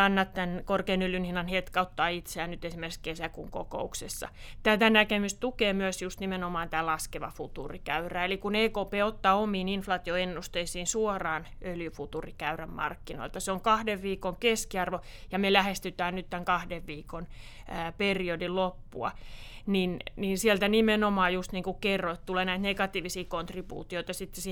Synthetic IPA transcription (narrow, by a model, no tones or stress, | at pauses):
ɑnːɑt̪t̪ænkorkeːnøljynhinɑnhet̪kɑut̪ːɑːit̪seæːnnyt̪esimerkeskesækṵŋko̰ko̰uksesːɑ̰ | t̪æt̪ænækemyst̪t̪ukeːmyøsjust̪nimenomɑːnt̪æːlɑskeʋɑ̰fut̪ṵrikæyræːelikuneːkoːpeːot̪ːɑomiːninflɑːt̪ioenːust̪eisiːnsuorɑːn | øljyfut̪urikæyræmmɑ̰rkːino̰ilt̪ɑseoŋkɑhdeʋʋiːkoŋkeskiɑrʋo | jɑmelæhest̪yt̪æːnnyt̪t̪æŋkɑhdeʋʋiːkon | æːperiodillopːṵɑ̰ninninsiɛlt̪ænimenomɑːjust̪niːŋkukkerːoit̪t̪uleːnæit̪nekɑt̪iːʋisiːkont̪ribṵːt̪ioit̪ɑsit̪ːesi